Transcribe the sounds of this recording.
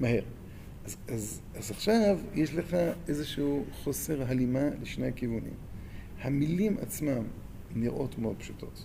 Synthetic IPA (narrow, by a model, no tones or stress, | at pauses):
maɦe̞ʁ | azaz | azaχʃavjeʃleχaʔezeʃuuχo̞seʁɦalimaleʃnehakivunḭm | hamilima̰t͡smam | niʁʔo̞tmeod̪pʃutʰo̞̰t